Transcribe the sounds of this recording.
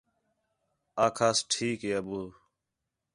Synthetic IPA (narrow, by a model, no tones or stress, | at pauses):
aːkʰaːsʈʰiːkɦeːəbuː